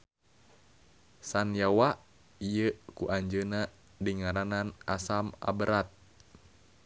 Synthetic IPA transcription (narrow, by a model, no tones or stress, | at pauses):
sanjawa | ijəkuʔaɲd͡ʒəna | dəŋaɾananasama̰bəɾat̪̚